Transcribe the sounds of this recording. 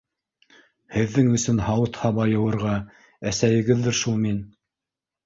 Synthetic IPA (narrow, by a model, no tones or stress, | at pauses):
hɘ̆ðːɘŋɵ̆sɵnhɑwɤt̪hɑβɑjɤ̆wɤ̆ɾʁɑ | æsæjɘ̆ɡɘðːɘɾʃulˠmin